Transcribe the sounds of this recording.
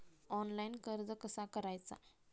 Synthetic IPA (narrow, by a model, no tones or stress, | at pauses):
ɔnlainkəɾd͡z̪əkəsakəɾajt͡sa̰